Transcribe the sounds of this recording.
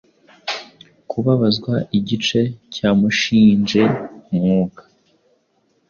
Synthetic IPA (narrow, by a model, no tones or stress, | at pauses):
kʰuβaβazɡwaʔiɟit͡ʃe̞cʰaːmuʃiːnd͡ʒe̞mŋuːkḁ